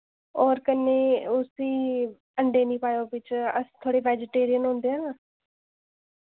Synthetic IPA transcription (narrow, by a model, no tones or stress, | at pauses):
ɔːɾkəneːʊsiː | əɳɖeːnĩːpaːjoːbɪt͡ʃəst̪ʰoːɽeːʋɛːd͡ʒɪʈeːɾijənɦʊ̃ːnd̪eːɦɛːnaː